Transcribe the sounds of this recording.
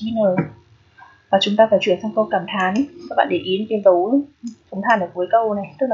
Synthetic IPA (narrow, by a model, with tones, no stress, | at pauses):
i˧nəː˨˩ | vaː˨˩t͡ɕʊ˨˦ŋ͡mt̪aː˧faː˧˩jt͡ɕwi˧˩˨nsa˧wŋkə˧kaː˧˩mt̪ʰaː˨˦nkaː˦˥ɓa̰ː˧˨ɗe˧˩ʔi˨˦n˨˧˩t̪i˧nzə˨˦˨sə˨˦ŋ͡mt̪ʰaː˧˩nʔəː˨˩ku˨˦jkaː˧na˨˩jt̪ɨ˦˥k̚